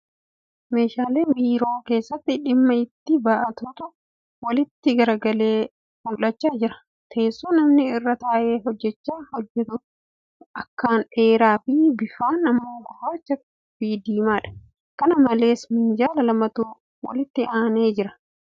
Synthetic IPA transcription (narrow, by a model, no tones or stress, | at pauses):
me̞ːʃaːleːbiːɾo̞ːke̞ːsːɐt̪ːɪᶑɪmːɐɪt̪ːɪbaʔɐt̪ut̪ʊ | wɐlɪt̪ːɪɡɐɾɐɡɐle̞ː | huːlːɐt͡ʃːaːd͡ʒɪɾɐ̥ | t̪ʰe̞ːsːuːnɐmnɪɪrːɐt̪aːʔe̞ːɦɔd͡ʒːɛt͡ʃːaːhɔd͡ʒːɛt̪ʊ | ʔɐkːaːnᶑe̞ːɾaːfɪbɪfaːnːɐmːoːhaːt͡ʃːɐk | biːd̪iːmaːᶑɐ̥ | kɐnɐmɐle̞ːsmɪnd͡ʒaːlɐlɐmɐt̪uː | wɐ̰lɪt̪ːɪaːneːd͡ʒɪɾɐ̥